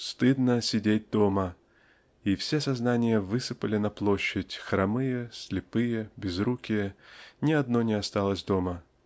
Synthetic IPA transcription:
st̪ɨd̪nəsʲɪdʲet̚ʲd̪o̞mə | ifsʲesɐznanʲɪjəvɨsɨpəlʲɪnɐplˠo̞ɕːɪtʲxɾɐmɨjəsʲlʲɪpɨjəbʲɪzɾukʲɪjənʲɪɐd̪no̞nʲɪɐst̪alˠəsʲd̪o̞mə

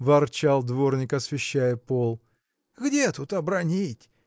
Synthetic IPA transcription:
vɐrt͡ɕalˠd̪vo̞rnʲɪkɐsvʲɪɕːæjəpo̞lˠ | ɣdʲet̪ut̪ɐbɾɐnʲitʲ

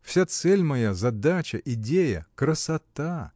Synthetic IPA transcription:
fsʲat̪sɛlʲmɐjazɐd̪at͡ɕəʔɪdʲejəkɾəsɐt̪a

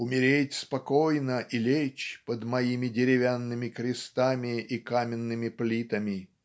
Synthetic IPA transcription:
ʊmʲɪɾʲetʲspɐkojnəʔilʲet͡ɕpəd̪mɐimʲɪdʲɪɾʲɪvʲanːɨmʲɪkɾʲɪst̪amʲɪikamʲɪnːɨmʲɪplʲit̪əmʲɪ

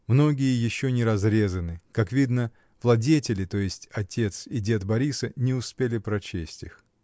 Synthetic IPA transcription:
mno̞ɡʲɪjəjɪɕːonʲɪɾɐzɾʲe̞zənɨkakvʲid̪nə | vlˠɐdʲetʲɪlʲɪt̪o̞jɪsʲtʲɐtʲe̞t̪sɪdʲe̞t̪bɐɾʲisənʲɪʊspʲelʲɪpɾɐt͡ɕesʲtʲix

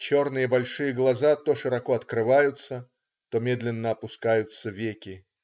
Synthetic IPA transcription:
t͡ɕo̞rnɨjəbɐlʲʂɨjəɡlˠɐzat̪oʂɨɾɐkoɐt̪kɾɨvajʊt̪sə | t̪omʲe̞d̪lʲɪnːəɐpʊskajʊt̪səvʲekʲɪ

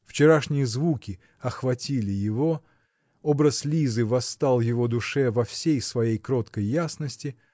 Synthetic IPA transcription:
ft͡ɕɪɾaʂnʲɪjəzvukʲɪ | ɐxvɐtʲilʲɪjɪvo̞ | obɾəslʲizɨvɐst̪alˠjɪvo̞d̪ʊʂɛvɐfsʲejsvɐjejkɾo̞t̪kəjːasnəsʲtʲɪ

